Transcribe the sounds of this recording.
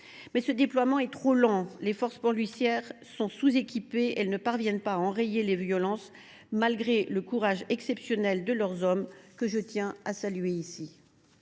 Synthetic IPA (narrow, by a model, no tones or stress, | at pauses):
mɛsəd̪eplwamɑ̃ɛt̪χolɑ̃lefɔʁspɔʁlɥisjɛʁ | sɔ̃suzekʲipeɛlnəpaʁvjɛnpaːɑ̃ʁejelevjɔlɑ̃s | malɡʁeləkuʁaʒɛksɛpsjɔnɛld̪əlœʁzɔmkəʒət̪jɛ̃asalyeisi